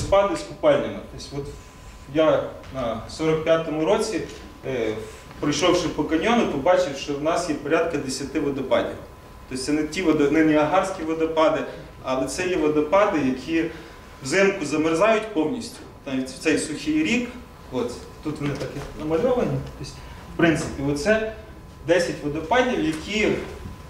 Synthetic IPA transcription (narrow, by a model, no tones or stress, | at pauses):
spɑd̪ɪsʲpʊpɑlʲnʲɐmɐt̪ɔsʲʋɔt̪ | janɐsɔɾɔkpʲjat̪ɔmʊɾɔt͡sʲi | pɾɔjʃɔwʃɛpɔkɐnʲɔnʊt̪ɔbɑt͡ʃɪwʃt͡ʃɔwnɑsjɛpɔɾʲad̪kɐd̪esʲɐt̪ɪʋɐd̪ɐpɑ̰dʲḭw | t̪ɔsʲt̪sɛnɛtʲiʋɐd̪ɐnɪnʲiɐɦɑrsʲkʲiʋɐd̪ɐpɑd̪ɪ | ɐlˠɛt̪sɛjiʋɐd̪ɐpɑd̪ɪjɐkʲʰi | wzɪmkʊzɐmɪrzɑjʊtʲpɔwnʲisʲtʲʊ̥nɑʋʲitʲw̥t̪sɛjsʊxʲɪjɾʲik | ɔs | t̪ut̪ʋɔnɪt̪ɐkɪnɐmɐlʲɔʋɐnʲit̪ɔsʲ | wpɾɪnt̪sɪpʲiɔt̪sɛ | d̪ɛsʲɐtʲʋɔd̪ɐpɑdʲiwjɐkʲʰi